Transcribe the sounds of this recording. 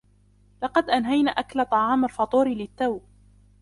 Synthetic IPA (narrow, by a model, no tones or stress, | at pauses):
lɑqɑd̪ʔanɦajna̰ːʔaklat̪ˤɑʕɑːmalfɑt̪ˤuːɾɪlɪt̪ːawb